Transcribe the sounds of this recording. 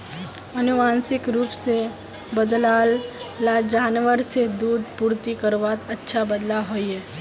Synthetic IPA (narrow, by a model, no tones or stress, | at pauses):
ɐnʊʋaːnsɪkɾuːpse | bəd̪laːlːad͡ʒaːnʋəɾsed̪uːd̪puːɾt̪ikəɾʋaːt̪ɐtːʃʰabəd̪laɦoiɦɛː